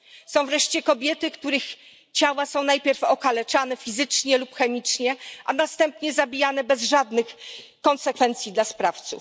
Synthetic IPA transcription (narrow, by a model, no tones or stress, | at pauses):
sɔ̃w̃vɾɛʂt͡ɕɛkɔbʲjɛt̪ɘkt̪uɾɘx | t͡ɕawasɔ̃w̃najpʲjɛɾfɔkalɛt͡ʂanɛfʲizɘt͡ʂɲɛlupxɛmʲit͡ʂɲɛʔanast̪ɛmpɲɛzabʲijanɛbɛzʐad̪nɘxkɔnsɛkfɛnt̪sʲjid̪laspɾaft̪sṵf